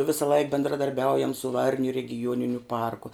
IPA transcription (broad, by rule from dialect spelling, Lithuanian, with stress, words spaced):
ˈʋʲɪsɐˈlˠɐɪk bʲɛndrɐdɐrʲˈbʲɛʊjɛm sʊ ˈʋɐrʲnʲʊ rʲɛɡʲɪˈjuɔnʲɪnʲʊ ˈpɐrkʊ